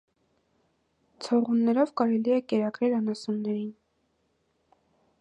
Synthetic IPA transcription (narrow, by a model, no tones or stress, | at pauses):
t͡sʰɔʁunːɛɾɔvkɑɾɛliɛkɛɾɑkɾɛlɑnɑsunːɛɾin